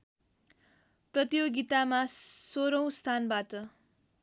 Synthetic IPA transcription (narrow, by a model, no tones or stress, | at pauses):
prʌt̪ijoɡit̪amasoɾʌw̃st̪ʰanbaʈʌ